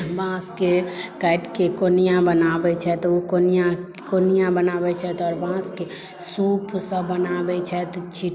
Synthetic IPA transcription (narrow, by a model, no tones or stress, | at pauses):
bãskekɛɪʈkekonijãbənabɛt͡ʃʰɛt̪ukonijã | konijãbənabɛt͡ʃʰɛt̪ɔːɾbãske | supʰsə̃bənabɛt͡ʃʰɛt̪t͡ʃʰi